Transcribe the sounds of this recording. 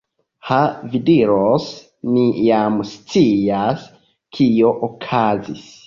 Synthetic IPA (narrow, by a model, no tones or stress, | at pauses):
havidiɾos | mijamst͡sias | kʰio̞ʔokʰazis